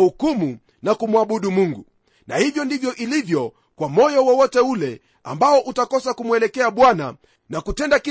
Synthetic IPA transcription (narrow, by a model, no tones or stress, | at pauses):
hukumu | nakumwaɓuɗumuŋɡu | nahivjɔndivjɔʔilivjɔ | kwamɔjɔwɔwɔtɛulɛ | a̰mbaɔʔutakɔsakumuɛlɛkɛaɓwana̰ | nakutɛndaki